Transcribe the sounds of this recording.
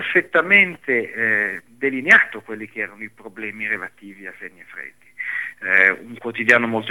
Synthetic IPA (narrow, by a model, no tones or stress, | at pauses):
erfet̪ːament̪e | d̪elineaːt̪okwelːik̟eɛːɾanoipɾoblɛːmiɾelat̪iːviasenːiefɾḛd̪ːi | uŋkwot̪id̪jaːnomolt̪o